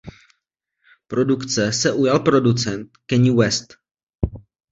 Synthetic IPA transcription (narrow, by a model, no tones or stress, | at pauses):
pɾo̞dukt͡sɛsɛʔujalpɾo̞dut͡sɛnt̪kɛɲiwɛst̪